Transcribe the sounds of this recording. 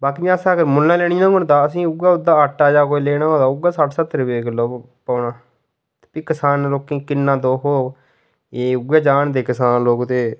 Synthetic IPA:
baːkiːd͡ʒ̃əsãːɡəɾmʊlːãːleːniːnãːɡʊnt̪aːəs̬ĩːʊɡaːʊd̪ːaːəʈːaːd͡ʒaːkoːiːleːnãːoːd̪aːʊɡaːsaʈsət̪ːəɾʋeːkloː | paːnaː | t̪e̥ːpiːkəsaːnloːkĩːkɪnːãːd̪oːɦoː | eːʊɡaːd͡ʒaːɳd̪eːkəsaːnloːkt̪eː

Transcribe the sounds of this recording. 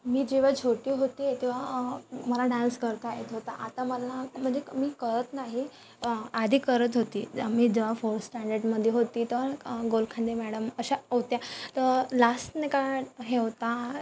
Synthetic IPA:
miːd͡ʑeʋ̤at͡ɕʰoʈiːɦot̪it̪eʋaməlaɖãnskəɾt̪aɦet̪ɦot̪aʔat̪aməlam̤əɳd͡zemiːkəɾət̪naɦi | ad̪ʱiːkəɾət̪ɦot̪ḭːmiːd͡ʑeʋafoɾsʈãɳɖəɾɖməd̪ʱjeɦot̪iːt̪əɡolkʰãnd̪emɛɽəməɕaɦot̪jat̪əɾlasʈnekaɦeʋt̪a

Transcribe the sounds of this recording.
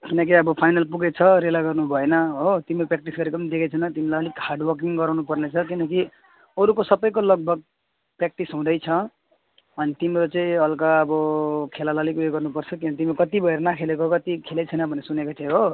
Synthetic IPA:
kinʌk̬iʌbʌpʰajnʌlpuɡet͡sʰʌɾelaɡʌrnubʱʌenʌɦot̪imeɾoprek̚ʈisɡʌɾekopʌnid̪ekʰet͡sʰʌnʌt̪imilajʌlikharɖwʌrkiŋɡʌɾawnupʌrnet͡sʰʌkinʌk̬i | ʌɾukosʌbʌjkolʌɡ̚bʱʌɡ̚ | prek̚ʈisɦũd̪ʌjt͡sʰʌ | ʌnit̪imeɾot͡sʌĩʌlkaʌbʌkʰelalʌlikueɡʌrnupʌrt͡sʰʌkinʌkit̪imeokʌt̪ibʱʌeɾʌnakʰelekookʌt̪ikʰelet͡sʰʌjnʌbʱʌnesunekot͡saj̃ɦo

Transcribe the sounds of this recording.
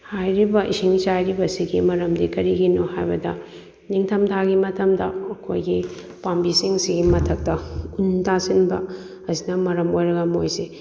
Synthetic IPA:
hajɾibɐʔḭsiŋt͡ʃajɾibɐsiɡimɐɾɐmdikɐɾiɡinohajbɐdɐ̰ | niŋtʰɐmtʰaɡimɐtɐmdɐ̰ɐkʰojɡi | pambisiŋsiɡimɐtʰɐk̚tɐuntasinbɐ̰ | ɐsinɐmɐɾɐmojɾɐɡɐmojse

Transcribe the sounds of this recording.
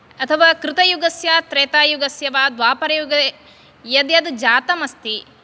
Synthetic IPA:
ɐt̪ʰɐʋaːkɾɪt̪ɐjuɡɐsjaːt̪ɾɛːt̪aːjuɡɐsjɐʋaːd̪ʋaːpɐɾɐjuɡɐ | jɐd̪jɐd̪d͡ʒaːt̪ɐmɐst̪i

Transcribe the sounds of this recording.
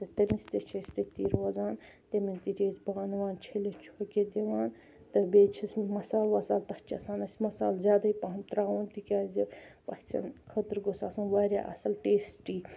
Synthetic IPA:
t̪ɐt̪ɐmist̪et͡ʃʰest̪et̪iːɾʋaːzaːn | t̪emint̪iɾʰʲeːzbaːnʋaːnt͡ʃʰelet͡ʃʰoːkʲed̪eʋaːn | t̪ɨbeːt͡ʃʰisʲmɐsaːlʋɐsaːlt̪ɐht͡ʃɐ̰saːnɐsʲmɐsa̰ːlzʲjaːd̪aipaɦmt̪ɾaːwoːnt̪ikʲaːzipɐsʲt͡sɐ̰nkʰɐt̪ɾɡosaːsɐnʋaːɾʲja̰ːʔɐ̰sɐlʈeːsʈiː

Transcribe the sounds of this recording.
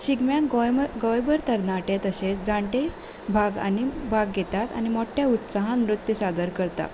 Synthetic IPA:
ɕiɡmjakɡɡɔjbəɾt̪əɾnaʈet̪əɕet͡sd͡zãɳʈe | bʱaɡa̰nibʱaɡːet̪at̪a̰ñimɔʈʰjaut̪saɦãnɾut̪ːisad̪əɾkəɾt̪a̰

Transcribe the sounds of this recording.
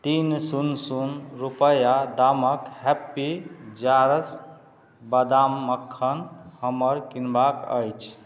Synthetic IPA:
t̪insunsunɾupəjad̪aməkhɛpːid͡ʒaɾəs | bəd̪amːəkʰːənhəməɾkinbakə̰jt͡ʃʰ

